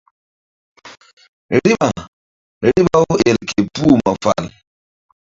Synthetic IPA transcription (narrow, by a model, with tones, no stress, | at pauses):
ɾi˦ɓa˨ | ɾi˦ɓa˦o˦ɛ˨lkʰe˨pu˦˨ma˨fa̰˨l